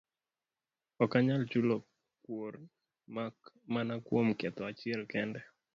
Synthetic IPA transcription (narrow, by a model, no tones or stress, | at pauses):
ɔkaɲalt͡ʃulo | kwor | mak | manakwomkɛt̪ɔat͡ʃɪɛlkɛndɛ